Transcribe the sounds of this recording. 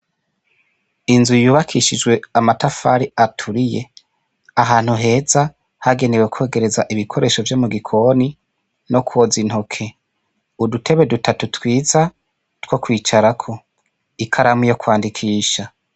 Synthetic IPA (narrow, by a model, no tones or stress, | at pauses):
inzujuːβakʰiʃid͡ʒɡwe̞amatafa̰ɾiatʰuɾije̞̰ | aɦaːn̥huɦe̞ːza | haɡe̞newekwe̞ːɡe̞ɾe̞zaʔiβikʰo̞ɾe̞ːʃo̞vjo̞muɡikʰo̞ni | no̞kʰwoːzinho̞kʰe̞ | udutʰe̞βe̞dutatutwiːza | two̞kwiːt͡ʃaɾakʰo̞ | ikʰaɾamijo̞kwaːndikʰiːʃa